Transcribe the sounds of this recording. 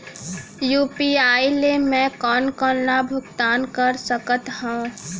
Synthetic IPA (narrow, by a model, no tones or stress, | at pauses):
juːpiaːilemɛ̃kɔːnkɔɾnabʱʊɡt̪aːnkəɾsəkət̪hõː